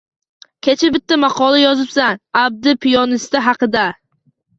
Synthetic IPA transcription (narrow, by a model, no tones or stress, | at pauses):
kʲʰet͡ʃʰabɪt̪ʰːamɑqʰɒlˠajɒzɪpsanab̚d̪ɪpʰɪjɒnɪst̪aɦɑqɨd̪a